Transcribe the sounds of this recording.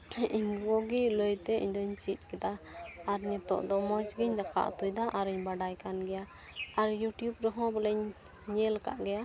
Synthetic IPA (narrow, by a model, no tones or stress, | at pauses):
iɲɡɔɡiləjt̪ɛḭɲd̪ɔɲt͡ʃit̪̚ˀkɛd̪aːɾɲɛt̪ɔ̰ʔd̪ɔmɔt͡ʃɡɛɲd̪aka̰ʔt̪ujd̪aʔaɾiɲbaɖajkanɡɛja | aɾjuʈjubɾɛɦɔ̃bɛlɛɲ | ɲɛlaka̰ʔɡɛja